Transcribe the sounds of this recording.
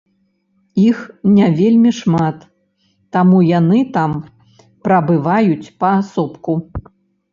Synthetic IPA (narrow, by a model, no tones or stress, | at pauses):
ixnʲavʲelʲmʲiʂmat̪ː | amujanɨt̪am | pɾɐbɨvajut͡sʲpɐːsɔpku